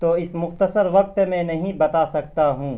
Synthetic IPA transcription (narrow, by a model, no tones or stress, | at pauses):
t̪oːɪsmʊxt̪əsəɾʋɐq̚t̪mɛ̃nɐɦĩbɐt̪aːsɐk̚t̪aɦũː